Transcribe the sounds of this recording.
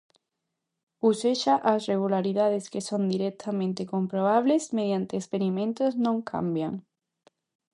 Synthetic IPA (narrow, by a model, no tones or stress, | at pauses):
useʃaʔasreɣ̞ulaɾiðaðeskesond̪iɾek̚t̪ʰamẽnt̪ekompɾoβ̞aβlezmeðjant̪eːspeɾimẽnt̪oznõŋkʰa̰mbja̰ŋ